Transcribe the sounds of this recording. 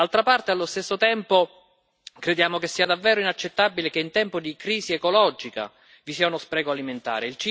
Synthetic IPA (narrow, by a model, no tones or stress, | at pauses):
alt̪ɾapart̪ealːost̪esːot̪ɛmpo | kɾed̪jaːmokesːiːad̪avːɛːɾoinat͡ʃːet̪ːabilekeint̪ɛmpod̪ikɾiːziekolɔd͡ʒika̰ | visiːaunospɾɛːɡoaliment̪a̰ːɾeilt͡ʃi